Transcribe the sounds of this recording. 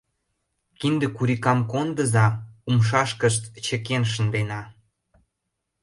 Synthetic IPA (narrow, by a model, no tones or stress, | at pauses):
kind̪ə̆kuɾikɑmkond̪əzɑumʃ̬ɑʃkəʃt̪t͡ɕə̆kenʃ̬ə̆nd̪enɑ